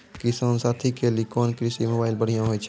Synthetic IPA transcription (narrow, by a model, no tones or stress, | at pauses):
kisaːnsaːt̪ʰikelikɔːnkɾisimoːbaːɪlbəɽ̤ijãɦojt͡ʃʰɛ